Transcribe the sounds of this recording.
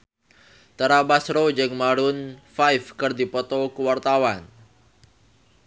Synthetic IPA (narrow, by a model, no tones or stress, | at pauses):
t̪əɾabasrod͡ʒɨŋmaɾʊnfajfkɨrdipɔt̪ɔkəwart̪awan